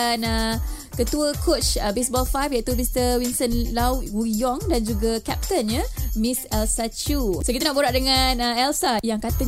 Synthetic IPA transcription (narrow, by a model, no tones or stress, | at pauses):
anə | kət̪uəkʰot͡ʃəbesbɔlfajfjaʔit̪umist̪əwinsənlawwujɔŋdand͡ʒuɡakɛp̚t̪ənɲamĩsɛlsat͡ʃusokit̪anaʔboɾaʔdəŋanəɛlsajaŋkat̪a